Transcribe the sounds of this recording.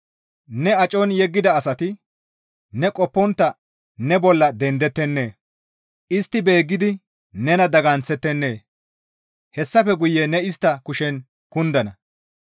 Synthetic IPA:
nɛɐt͡ʃʼɔnjɛɡːɪd̪ɐːsɐt̪ɪ | nɛkʼɔpːɔnt̪ːɐ | nɛbɔlːɐd̪ɛnd̪ɛt̪ːɛnːe̞ː | ʔɪst̪ːɪbe̞ːɡːɪd̪ɪ | nɛnɐd̪ɐɡɐnt͡sːɛt̪ːɛnːe̞ː | hɛsːɐfɛɡʊjːɛnɛɪst̪ːɐkʊʃɛn | kʊnd̪ɐnɐ

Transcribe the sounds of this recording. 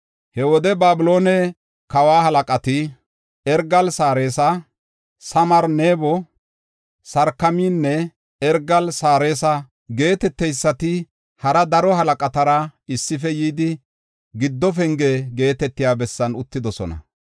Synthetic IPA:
hɛwɔd̪ɛbaːbʊlo̞ːnɛ | kɐwaːhɐlɐkʼɐt̪ɪ | ɛɾɡɐlsaːɾeːsɐ | sɐmɐɾneːbɔ | sɐɾkːɐmiːnːɛ | ɛɾɡɐlsaːɾe̞ːsɐ | ɡe̞ːt̪ɛt̪ːɛjsːɐt̪ɪ | hɐɾɐd̪ɐɾɔɦɐlɐkʼɐt̪ɐɾɐɪsːɪfɛjiːd̪ɪ | ɡɪd̪ːɔfɛŋɡeːɡe̞ːt̪ɛt̪ːɪjaːbɛsːɐnʊt̪ːɪd̪ɔsɔ̰nɐ̰

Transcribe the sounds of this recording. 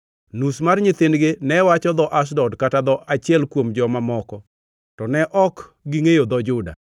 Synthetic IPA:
nusmarɲɪt̪ɪnɡenɛwat͡ʃɔd̪ɔʔas̬dɔdkatad̪ɔʔat͡ʃɪjɛlkwomd͡ʒɔmamɔkɔ | tɔnɛʔɔkɡiŋejod̪ɔd͡ʒʊda̰

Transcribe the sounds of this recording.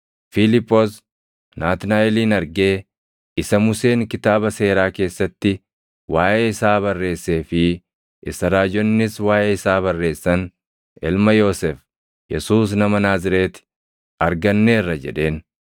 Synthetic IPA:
filɪpːoːs | naːt̪naːɛliːnɐɾɡe̞ː | ɪsɐmʊse̞ːŋkɪt̪aːbɐse̞ːɾaːke̞ːsːɐt̪ːɪ | waːʔeːɪsaːbɐrːe̞ːsːe̞ːfɪ | ʔɪsɐɾaːd͡ʒɔnːɪswaːjʔeːɪsaːβɐrːe̞ːsːɐn | ɪlmɐjo̞ːsɛf | jɛsuːs̬nɐmɐnaːzɪɾeːt̪ | ɐɾɡɐnːeːrːɐd͡ʒɛ̰ᶑe̞ːn

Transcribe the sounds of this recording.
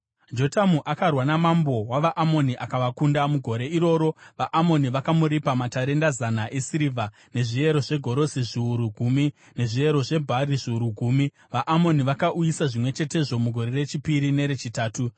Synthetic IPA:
d͡ʒo̞tamuʔakarwanamambo̞waʋaʔamo̞niʔakaʋakundamuɡʱo̞ɾe̞iɾo̞ːɾo̞ʋaʔamo̞niʋakamuɾipamataɾe̞ndazanaʔe̞siɾivʱa | ne̞ʐie̞ɾo̞ʐe̞ɡʱo̞ɾo̞siʐiuɾuɡʱumi | ne̞ʐie̞ɾo̞ʐe̞bʱariʐiuɾuɡʱuːmi | ʋaʔamo̞niʋakaʔujisaʐimwe̞t͡ʃe̞te̞ʐo̞muɡʱo̞ɾe̞re̞t͡ʃipiɾine̞ɾet͡ʃitaːtu

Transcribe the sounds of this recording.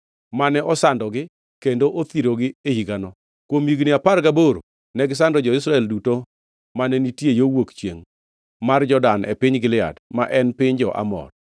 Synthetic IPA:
manɛʔɔsandɔɡɪ | kendoʔot̪iɾoɡɪehiɡanɔ | kwomiɡniaparɡaboɾo | nɛɡɪs̬andɔd͡ʒɔɪs̬ɾaɛlduto | manɛnitjejowokt͡ʃjeŋ | mard͡ʒɔdanʔɛ̰pɪɲɡɪlɪa̰dmaʔɛnpɪɲd͡ʒɔʔa̰mɔ̰d

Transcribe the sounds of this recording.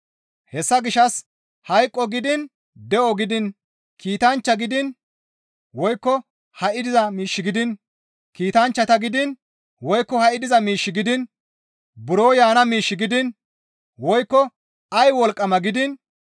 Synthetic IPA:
hɛsːɐɡɪʃɐs | hɐjkʼːɔɡɪd̪ɪn | d̪ɛʔɔɡɪd̪ɪn | kiːt̪ɐnt͡ʃːɐɡɪd̪ɪn | wɔjkːɔ | hɐʔɪd̪ɪzɐmiːʃːɪɡɪd̪ɪn | kiːt̪ɐnt͡ʃːɐt̪ɐɡɪd̪ɪn | wɔjkːɔhɐʔɪd̪ɪzɐmiːʃːɪɡɪd̪ɪn | bʊɾo̞ːjaːnɐmiːʃːɪɡɪd̪ɪn | wɔjkːɔ | ɐjwɔlkʼːɐmɐɡɪd̪ɪn

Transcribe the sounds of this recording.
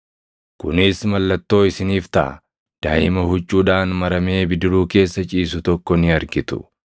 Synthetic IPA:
kʊnɪsmɐlːɐt̪ːo̞ːɪsɪniːft̪ɐʔɐ̰ | d̪̥aːʔɪmɐhʊt͡ʃʼːuːᶑaːnmɐɾɐme̞ːbɪd̪ɪɾuːke̞ːsːɐt͡ʃʼiːsʊt̪ɔkːɔnɪɐɾɡɪt̪ʊ̥̰

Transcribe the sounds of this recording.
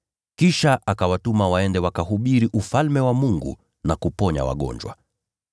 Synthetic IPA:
kiʃaʔakawatumawaɛndɛwakaɦuɓiɾiʔufalmɛwamuŋɡṵ | nakupɔɲa̰wa̰ɠɔ̰ɲd͡ʒwa̰

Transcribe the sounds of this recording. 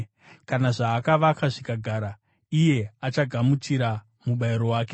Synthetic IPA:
kanaʐaːkaʋakʰaʐikaɡʱaːɾa | ije̞at͡ʃaɡʱamut͡ʃiɾa | muɓaiɾo̞waːke̞

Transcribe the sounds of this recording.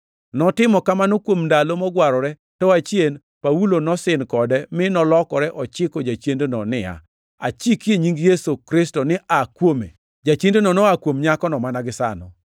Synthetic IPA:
nɔtɪmɔkamanokwomndalomɔɡwaɾɔɾɛ | tɔat͡ʃjen | paulonɔsɪnkɔdɛmɪnɔlɔkɔɾɛʔɔt͡ʃɪkod͡ʒat͡ʃjendonɔnɪa̰ | a̰t͡ʃikjeɲiŋɡjesokɾɪstɔnɪakwomḛ | d͡ʒat͡ʃendenɔnɔakwomɲakɔnɔmanaɡɪsa̰nɔ̰

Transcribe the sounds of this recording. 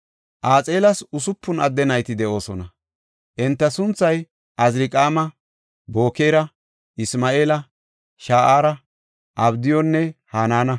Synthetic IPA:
ʔaːt͡sʼe̞ːlɐsʊsʊpːʊnɐd̪ːɛnɐjt̪ɪd̪ɛʔo̞ːsɔnɐ | ʔɛnt̪ːɐsʊnt͡sːɐj | ʔɐzɾɪkʼaːmɐ | bo̞ːkeːɾɐ | ɪsmaːʔeːlɐ | ʃaːʔaːɾɐ | ʔɐbd̪ɪjɔnːɛhaːnaːnɐ

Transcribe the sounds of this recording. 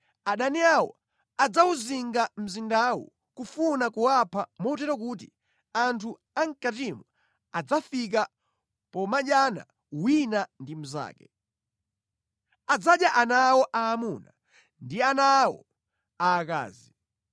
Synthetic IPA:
aɗaniawɔ̰ | ad͡zauziŋɡam̩zindawṵ | kufunakuwapʰamɔt̬ɛɾɔk̬uːti | antʰu | aŋ̩katimɔ | ad͡zafik̬a | pɔmaɗjana̰ | winandim̩za̰ːkɛ | ad͡zaɗjaʔanawɔʔaːmuna | ndianawɔ̰ | aːka̰ːzi

